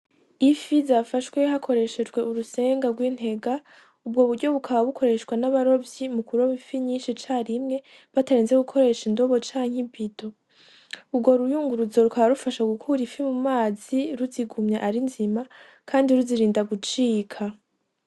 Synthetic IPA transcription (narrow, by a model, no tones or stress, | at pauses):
ifizafaʃwe̞hakʰo̞ɾe̞ʃe̞d͡ʒɡwe̞ʔuɾuse̞ːŋɡaɡwiːn̥e̞ɡa | ubɡo̞βuɾɟo̞βukʰaβaβukʰo̞ɾe̞ʃwanaβaɾo̞vjimukuɾoβifiɲiːnʃit͡ʃaɾimŋe̞ | βataɾiːnzeɡukʰo̞ɾe̞ːʃindo̞βo̞t͡ʃaːɲ̥hibido̞ | ubɡo̞ɾujuːŋɡuɾuzo̞ɾukaβaɾufaʃaɡukʰuɾifimumaːziɾuziɡumɲaʔaɾinzima | kʰaːndiɾuziɾiːndaɡut͡ʃiːkʰa